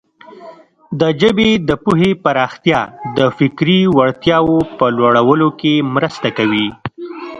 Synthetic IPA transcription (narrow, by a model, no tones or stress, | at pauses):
d̪əd͡ʒəbed̪əpuɦepaɾɑxt̪jɑd̪əfɪkɾiwaɽt̪jɑwopəlwaɽawəlokemɾəst̪akawi